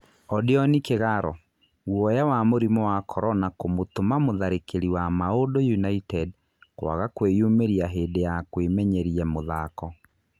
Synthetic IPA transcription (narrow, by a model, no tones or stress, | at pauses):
ɔdeɔnikeɣaɾɔ | wɔjawamoɾimɔwakʰɔɾɔnakomotomamoðaɾekeɾiwamaodojunaitɛd | kwa̰ɣakwejumeɾiaɦeːdejakwemɛɲɛɾiɛmoðakɔ